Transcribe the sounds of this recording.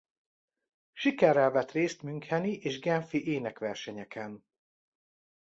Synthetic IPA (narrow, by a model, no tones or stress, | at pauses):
ʃikɛrːɛlvɛt̪reːst̪myŋkhɛniʔeːʒɡɛnfiʔeːnɛkʋɛrʃɛɲɛkʰɛn